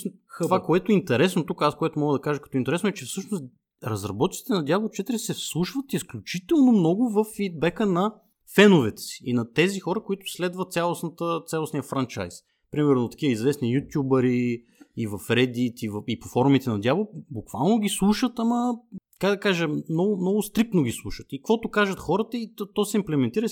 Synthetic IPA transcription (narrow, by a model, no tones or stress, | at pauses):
xvakoɛt̪oɛint̪ɛɾɛsnot̪ukəaskoɛt̪omɔɡəd̪ɐkaʒəkɐ̥t̪ɔint̪ɛɾɛsnʊɛt͡ʃɛfsɤʃnost̪ | ɾɐzɾɐbɔt̪it̪sit̪ɛnɐd̪jablˠot͡ʃɛt̪ɾisɛfslˠuʃvət̪isklʲʊt͡ʃit̪ɛlˠnomnɔɡʊvəfːid̪̚bɛkənɐ | fɛnʊvɛt̪ɛ̥si̥inɐt̪ɛzixɔɾəkoit̪ʊ̥slɛd̪vɐt̪t̪sʲalˠosnət̪ət̪sʲalˠosnijəfɾant͡ʃa̰js | pɾimɛɾnot̪ɐ̥k̟ʲiəizvɛsnijut̪ʲjubəɾi | ivɐfɾɛd̪it̪ivəipofɔɾumit̪ɛnɐd̪jablˠbukva̰lˠnoɡʲislˠuʃət̪amɐkaɡd̪ɐkaʒəmnɔɡʊmnɔɡʊst̪ɾik̚t̪noɡʲislˠuʃət̪ikəkvɔt̪ʊkaʒət̪xɔɾət̪əit̪t̪ɔsɛimplɛmɛnt̪iɾə